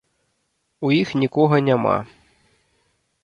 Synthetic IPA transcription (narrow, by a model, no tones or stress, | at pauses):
ujixnʲikɔɦɐnʲama̰